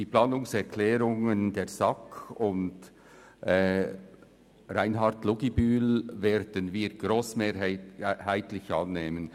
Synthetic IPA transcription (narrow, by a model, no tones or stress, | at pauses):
d̥iːplɑːnʊŋsɛɾkʰlɛːɾʊŋəndeːɐzɑkʰʊnd | ʔɛ | ɾaɪnɦɑʁtlʊɡibyːlveːɾd̥ənviːɾɡ̥ɾoːsmeːhæɪtlɪçʔɑnːeːmən